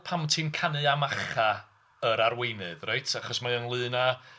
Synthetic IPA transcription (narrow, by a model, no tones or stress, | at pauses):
pʰamtʰimkʰanɨamaχa | əɾarwejnɨðrajtʰaχɔsmaənlˠɨːna